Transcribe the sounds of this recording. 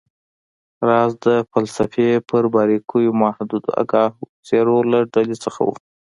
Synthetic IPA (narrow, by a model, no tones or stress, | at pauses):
ɾɑzd̪əfalsafepəɾbɑɾikʰujomahd̪ud̪a̰ɡɑhseɾolaɖalet͡səxa̰wṵ